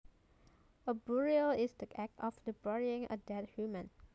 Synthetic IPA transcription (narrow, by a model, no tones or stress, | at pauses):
əbuɹiəlɪsdiʔɛk̚tʰɔfdəbɛɹiɪ̃ŋʔə̰dɛt̚hjumə̃n